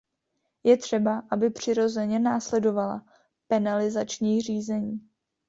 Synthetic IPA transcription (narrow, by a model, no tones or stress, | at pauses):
jɛt̪r̥ɛbaʔabɪpr̝̥ɪɾo̞zɛɲɛnaːslɛdo̞vala̰ | pɛnalɪzat͡ʃɲiːr̝iːzɛɲiː